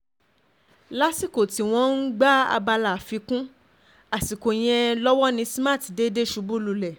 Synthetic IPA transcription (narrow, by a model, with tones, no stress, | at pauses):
la˦si˦˨ko˨ti˨˦w̃ɔ̃˦n̩˦ɡ͡ba˦a̰˧ba˧la˨fi˧˦kũ˦ | a˨si˨ko˨j̃ɛ̃˧lɔ˦wɔ˦nĩ˧si˦mã˦˨ti˨de˦de˦ʃu˨˧˦bu˦lu˨lɛ˨